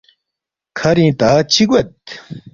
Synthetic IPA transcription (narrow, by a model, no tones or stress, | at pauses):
kʰaɾit̪at͡ɕʰik̚wɐt̪̚